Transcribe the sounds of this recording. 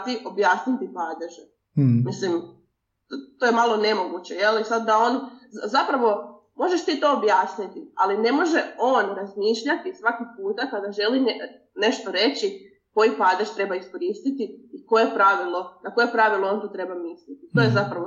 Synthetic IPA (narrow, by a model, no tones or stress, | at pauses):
t̪iʔo̞bjaːsnit̪ipaːd̪eʒe | mislim | t̪ojemalo̞ne̞mo̞ɡut͡ɕe̞jelisad̪d̪ao̞ːnzapɾaʋo̞ | mo̞ʒeʃt̪iːt̪o̞ːbjaːsnit̪ia̰line̞mo̞ʒeo̞ːnɾazmiːʃʎat̪isʋakiɡpuːt̪akad̪aʒe̞lin | ne̞ʃt̪oɾe̞t͡ɕi | ko̞jipaːd̪eʒt̪ɾe̞baisko̞ɾiːst̪it̪iiko̞jepɾaʋilˠo̞nako̞jepɾaʋilˠoont̪ot̪ɾe̞bamislit̪it̪o̞jezapɾaʋo